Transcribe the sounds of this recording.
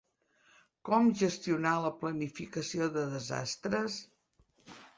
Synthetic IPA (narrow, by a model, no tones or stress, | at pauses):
kɔmʒəst̪iunaləplənifikəsioðəðəza̰st̪ɾəs